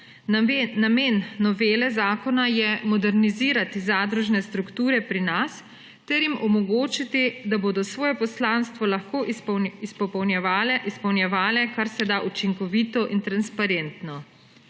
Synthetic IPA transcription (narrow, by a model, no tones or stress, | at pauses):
ameːnːɔʋeːlɛzaːkɔnajɛmɔd̪ɛɾniziːɾat̪izaːd̪ɾuʒnɛst̪ɾukt̪uːɾɛpɾinas | t̪ɛɾjimɔmɔɡoːt͡ʃit̪id̪aboːd̪ɔsʋɔːjɛpɔslaːnst̪ʋɔlaxkoːispɔpɔwnjɛalɛispɔwnjɛʋaːlɛkaɾsɛd̪aʔut͡ʃiŋkɔʋiːt̪ɔʔint̪ɾanspaɾent̪nɔ